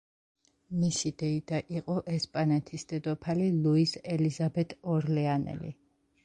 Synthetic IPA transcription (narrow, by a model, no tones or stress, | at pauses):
misid̪ɛid̪aʔiqʼɔʔɛspʼanɛt̪ʰisd̪̥ɛd̪ɔpʰalilˠuisɛlizabɛt̪ʰʼɔɾlɛanɛ̰lḭ